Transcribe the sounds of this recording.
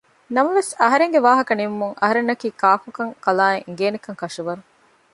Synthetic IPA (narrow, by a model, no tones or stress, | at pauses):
nɐmɐʋesɐɦɐɾeŋɡeʋaːɦɐkɐnimumuŋʔɐ̰ɦɐɾenːɐkiːkaːfukɐŋkɐlaːeŋ̆ɡeːnikɐŋkɐʂuʋɐɾu